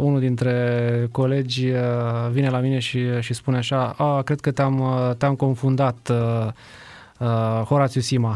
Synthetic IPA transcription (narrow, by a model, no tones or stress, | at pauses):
unuld̪int̪ɾe̞ko̞le̞d͡ʒʲəvine̞lamine̞ʃiʃispuneaʃaəkɾe̞d̪̚kət̪eamt̪eamko̞nfund̪at̪ | əho̞ɾat̪sijusima